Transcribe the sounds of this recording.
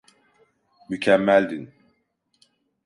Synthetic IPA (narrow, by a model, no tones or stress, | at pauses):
mycʰɛmːælʲd̪in